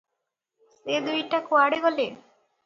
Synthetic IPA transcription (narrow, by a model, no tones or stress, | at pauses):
sed̪ujʈakoaɽeɡɔle